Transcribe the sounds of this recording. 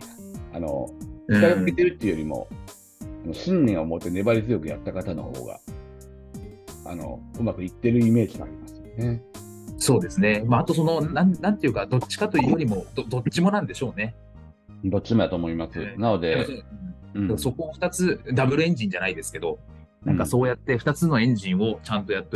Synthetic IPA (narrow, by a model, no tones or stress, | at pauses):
ano̰it̪aɡakɨkʲit̪eɾɯ̟t̪ːeɯjoɾʲimo̞̰ | anoɕĩnːʲẽɰ̃omot̪ːe̞ne̞baɾʲizɨjo̞kɯ̟ja̰t̪ːakat̪ano̞̰ho̰ːɡa̰ | a̰no̰ɯ̟makɯ̟it̪ːe̞ɾɯ̟ime̞ːd͡ʑimoa̰ɾʲimasɨ̥jone | so̞ːd̪e̞sɨne̞maːt̪o̞so̞no̞ãnnãnt̪e̞jɯ̟kad̪o̞t͡ɕːi̥kat̪o̞iːjo̞ɾʲimo̞d̪od̪o̞t͡ɕːɕimo̞nãnd̪e̞ɕo̞ːne̞ | d̪o̞t͡ɕːimod̪at̪oːmo̞imasɨnano̞d̪e̞õ | d̪aso̞ko̞ːɸt̪at͡sɨd̪abɯ̟ɾɯẽ̞ɲ̟d͡ʑĩɲ̟d͡ʑanaid̪e̞sɨ̥ke̞d̪o̞ | nãŋŋkaso̞ːjat̪ːe̞ɸɯ̟t̪at͡sɨno̞ẽ̞ɲ̟d͡ʑĩɰ̃o̞t͡ɕãnt̪o̞jat̪ːe